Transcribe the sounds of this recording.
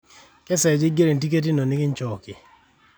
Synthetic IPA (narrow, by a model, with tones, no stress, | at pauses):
kɛ˦sɛ˨d͡ʒɪ˦ɡe˦ɾe˨nt̬i˦ke˦t̬i˦no˨nɪ˦kɪ˦nt͡ʃɔ˨kɪ˨